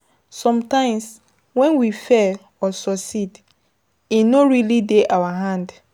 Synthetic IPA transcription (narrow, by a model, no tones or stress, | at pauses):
sɔ̃mtãɪ̃ms | wɛ̃nwifɛ | ɔsɔsid | inoɹilideʔawaɦãnd